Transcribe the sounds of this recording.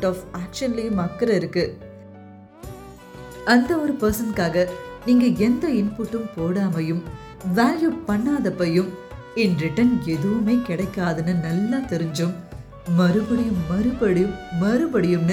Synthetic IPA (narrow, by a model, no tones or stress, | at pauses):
ʈɔːfaːkʃɐnlɪjmɐkːɐɾɐɪɾɯkːɯ | ɐnd̪ɐɔɾɯpɐɾsɐnkaːɣɐniːŋɡɐɛnd̪ɐɪnpuːʈːɯmpoːɽaːmɐjɯm | ʋaːljuːpɐɳːaːðɐpːɐjɯm | ɪnɾɪʈːɐnɛðɯʋɯmeːkɪɽɐɪkːaːðɯnːɯnɐlːaːt̪ɛɾɯɲd͡ʒɯmː | ɐɾɯbɐɽɪjɯmːɐɾɯbɐɽɪjɯmːɐɾɯbɐɽɪjɯmn